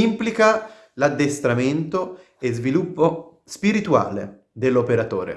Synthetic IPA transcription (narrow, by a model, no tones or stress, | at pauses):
implika | lad̪ːest̪ɾament̪o | ezvilupːo | spiɾit̪ua̰ːlḛ | d̪elːopeɾat̪oːɾḛ